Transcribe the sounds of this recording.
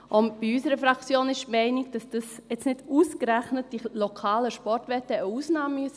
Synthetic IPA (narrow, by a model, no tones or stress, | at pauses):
ʔʊnb̥iysəɾəfɾɑkt͡sjoːnɪʃmɛɪniɡ̚d̥ɑsd̥ɑsjɛt͡snɪduːskɾæχnət̚d̥ilokʰɑːləʃpɔrtʋɛtəəusnɑːmyəsə